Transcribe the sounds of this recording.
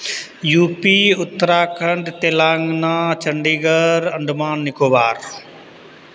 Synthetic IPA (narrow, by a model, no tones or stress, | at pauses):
juːpiːʊt̪ːəɾaːkʰəɳɖt̪eːlaːŋɡnaːt͡ʃəɳɖiːɡəɾəɳɖmaːnːɪkoːbaːɾ